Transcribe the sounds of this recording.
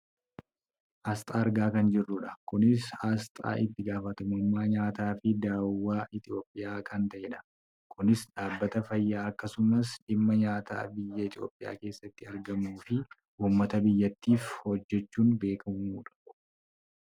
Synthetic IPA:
hɐst̪ʼaːɐɾɡaːkɐnd͡ʒɪrːʊᶑɐkʊnɪshɐst̪ʼa̰ːʔɪt̪ːɪɡaːfɐt̪ɐmʊmːaːɲaːt̪aːfɪd̪aːwːaːʔɪt̪ɪo̞ːpʼːɪjaːkɐnt̪ɐʔeᶑɐ̥ | kʊnɪsᶑaːbːɐt̪ɐfɐjːaːɐkːɐsʊmɐsʔɪmːɐɲaːt̪a̰ːbɪjːɐɪt̪ʼjo̞̰ːpʼːɪja̰ːke̞ːsːɐt̪ːɪɐɾɡɐmuːfɪ | ʔuːmːɐt̪ɐbɪjːɐt̪ːiːfhɔd͡ʒːɛt͡ʃːuːnbe̞ːkɐmuːᶑɐ̥

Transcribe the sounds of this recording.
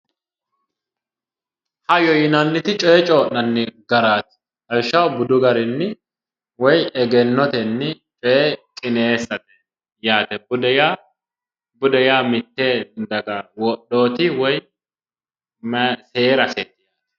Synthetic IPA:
hɐjɔjɪnɐnːɪt̪ɪt͡ʃʼɔɛt͡ʃʼoːʔnɐnːɛɡɐɾaːt̪ɪ̥ | hɐlʃɐwbʊd̪ʊɡɐɾɪnːɪ | wɔjɛɡɛnːɔt̪ɛnːɪt͡ʃʼɔɛkʼɪneːsːɐt̪ɛ | jaːt̪ɛbʊd̪ja | bʊd̪ɛjaːmɪt̪ːeːd̪ɐɡɐwɔɗoːt̪ɪwɔj | mse̞ːɾɐseːt̪ːɪjaːt̪

